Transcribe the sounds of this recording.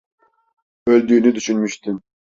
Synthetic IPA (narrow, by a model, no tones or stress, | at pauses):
øld̪yːnyd̪yʃynmyʃt̪ʰym